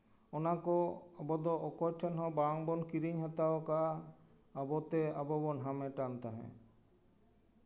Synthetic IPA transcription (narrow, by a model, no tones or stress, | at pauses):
ɔnakɔabɔd̪ɔʔɔkɔt͡ʃʰɔnɦɔ̃baŋbɔnkiɾiɲɦat̪aɔkaː | bɔt̪ɛabɔbɔnɦamɛʈant̪aɦɛ̰̃